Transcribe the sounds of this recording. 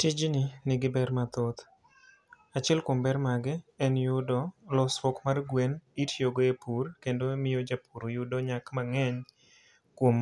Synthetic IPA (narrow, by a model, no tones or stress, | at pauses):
tɪd͡ʒnɪnɪɡɪbɛɾmat̪ot̪ | at͡ʃɛlkombɛɾmaɡɪɛnjʊdɔlɔswokmarɡwenitʰjoɡoepʰurkendomɪjod͡ʒapuɾojʊdɔɲakmaŋɛɲ | kwom